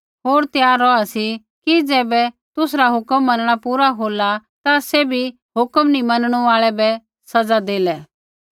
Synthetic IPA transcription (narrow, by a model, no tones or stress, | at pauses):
ɦoːɾt̪jaːɾːɔasi | kid͡zɛːbɛ | t̪ʊsɾaɦʊkəmːɐnəɽ̃apuːɾaɦoːlat̪asɛbʱi | ɦʊkəmnimɐnɽ̃uaːɭɛbɛ | sɐd͡zad̪eːlɛ